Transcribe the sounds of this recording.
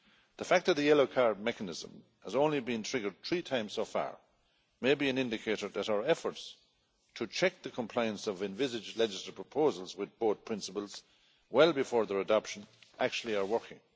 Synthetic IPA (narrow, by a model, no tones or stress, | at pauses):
ðəfæk̚ðət̪̚ðɨjɛloʊkʰaɹd̚mɛkənɪzə̰̃m | həzõnlibĩntʰɹ̥ɪɡə˞d̪̚θʰɹ̥itʰãɪ̃mz̥soʊfa̰ɹ | meɪbiɨ̃nɪ̃ndɨkʰeɪɾə˞ðɨɾaʊə˞ɛfə˞ts | tʰət͡ʃʰɛk̚ðəkʰə̃mpʰl̥aɪə̃nsʌvɨ̃ɱvɪzɪd͡ʒlɛd͡ʒɨsəpʰɹ̥əpʰoʊzəlˠzwɨðboʊθ̚pʰɹ̥ɪ̃nsəpəlˠz̥ | wɛɪlˠbɨfɔɹðə˞ədɑpʃə̃nʔak̚t͡ʃul̩ˠiə˞wɜ˞kɪ̰̃ŋ